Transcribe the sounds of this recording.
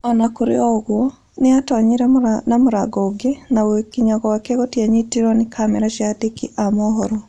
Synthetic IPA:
ɔnakuɾḛɔɣwɔ | neatɔɲiɾɛnamoɾa̰ɡɔːɡenawekiɲaɣɔwakɛɣɔtiaɲitiɾɔnekʰamɛɾaʃiatekiʔamɔɦɔɾɔ

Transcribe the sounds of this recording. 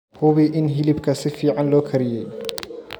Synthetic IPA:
hʊβɪʔɪnɦɪlɪbkʰɐsɪfiːʕɑnlɔːkʰɐɾɪjɛj

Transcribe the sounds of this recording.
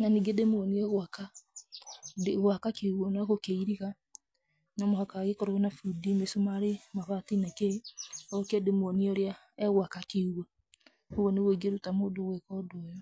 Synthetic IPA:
naniɡedemoɣɔniɛɣwaka | deɣwakakeuwɔnaɣokeiɾiɣa | namohakaɣekɔɾoonafudimesomaɾemaβatinakeɔɣokɛdemoɔniɔɾja | ɛɣwakakeuwa | owɔneweɡeɾutamoːdowɛkɔdwɔjɔ

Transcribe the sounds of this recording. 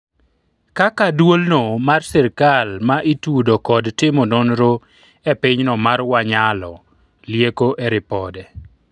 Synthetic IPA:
kakadwolnomarsɛɾkalmaʔitudokɔdtɪmononɾo | ɛpɪɲnɔmarwaɲalɔ | ljekoʔeɾɪpɔdɛ

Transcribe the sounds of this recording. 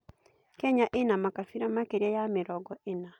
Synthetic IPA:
kɛɲaʔenamakafiɾamakeɾɛjamɪɾɔɡɔena

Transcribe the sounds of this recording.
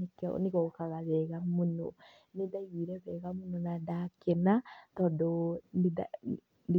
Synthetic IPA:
kneɣɔkaɣaβɛɣamonɔ̰ | nedaiɣiɾɛβɛːɣamonɔnadakenatɔːdɔnda̰ | n

